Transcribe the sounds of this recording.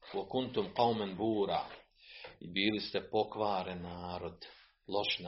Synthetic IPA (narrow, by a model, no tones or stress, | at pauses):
wakunt̪umqawmanbuːɾa̰ː | ibiːlist̪epo̞kʋaːɾenaːɾod̪ | lˠoʃn